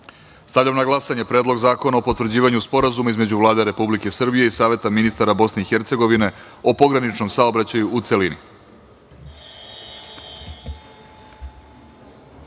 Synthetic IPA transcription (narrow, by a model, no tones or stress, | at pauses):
st̪aʋʎʲamnaɡlˠasaɲe̞pɾe̞ːd̪lo̞ɡzaːko̞naopo̞t̪ʋɾrd͡ʑiːʋaɲuspo̞ɾazumaizme̞d͡ʑuʋlˠaːd̪eɾe̞publike̞sr̩bije̞isaːʋe̞t̪aminist̪aɾabo̞sne̞ixe̞ɾt̪se̞ɡo̞ʋine̞ | o̞po̞ɡɾanit͡ʃno̞msaobɾat͡ɕajuʔut̪se̞linḭ